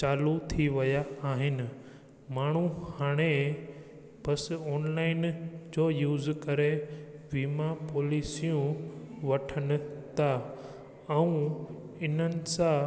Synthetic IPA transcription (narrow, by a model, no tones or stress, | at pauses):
t͡ɕaːlut̪ʰiʋɐjaːɦɪnɪ̆ | maːɳ̤̃uhaːɽ̃e | b̥ɐsɔːnlaːɪnd͡ʑoːjuːzkɐɾeʋiːmapoːliːsijũʋɐʈʰənɪ̆t̪ʰa | ɛ̃ũ | ɪn̤ənɪ̆sã